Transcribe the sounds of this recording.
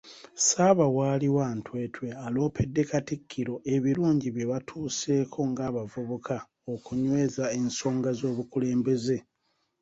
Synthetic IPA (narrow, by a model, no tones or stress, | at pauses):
saːβawaːliwantwe̞ːtʰwe̞alo̞ːpʰe̞dːe̞katikʰːiɾo̞ʔe̞βiɾuːɲɟiβjeβatʰuːse̞ːkʰo̞ŋɡaːβavuβukʰa | okuɲwe̞ːzae̞nso̞ːŋɡazo̞ːβukule̞ːmbe̞ze̞